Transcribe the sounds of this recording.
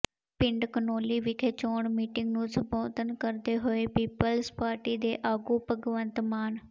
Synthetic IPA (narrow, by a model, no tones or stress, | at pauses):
pɪɳɖkənoːliːʋɪkʰeːt͡ʃoːɳmiːʈɪŋɡnũːsəpoːt̪ənkəɾd̪eːɦoːeːpiːpəlspaːɾʈiːd̪eːʔaːɡuːpəɡʋənt̪maːn